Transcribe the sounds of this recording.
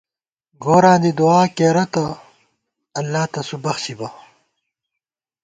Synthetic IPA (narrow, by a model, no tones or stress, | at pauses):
ɡoːɾãːd̪id̪uaːkeːɾɐt̪ɐ | ɐlːaːt̪ɐsubɐxsibɐ